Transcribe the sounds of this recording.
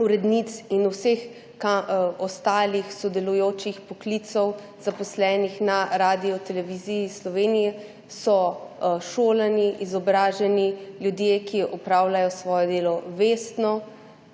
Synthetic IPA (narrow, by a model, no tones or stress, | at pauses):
uɾɛd̪nit̪sinusex | kaɔst̪aːlixsɔd̪ɛlujoːt͡ʃixpɔklit̪sɔw | z̥apɔslɛːnixnaɾaːd̪iɔt̪ɛlɛʋizijislɔʋeːnijɛ | sɔʃoːlaniʔizɔbɾaːʒɛniljud̪jeːkiʔɔpɾaːwlajɔsʋɔːjɛd̪eːlɔʋeːst̪nɔ